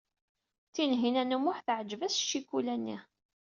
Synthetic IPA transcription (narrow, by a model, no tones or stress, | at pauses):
θinɦinænumʊħθʕəd͡ʒvæsʃːikːulænːḭ